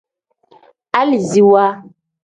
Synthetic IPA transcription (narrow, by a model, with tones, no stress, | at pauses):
a˦li˨zi˨wa˦